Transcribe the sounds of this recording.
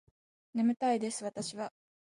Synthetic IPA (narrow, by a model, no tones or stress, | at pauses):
nemɯ̟t̪aid̪e̞sɨβat̪aɕiβa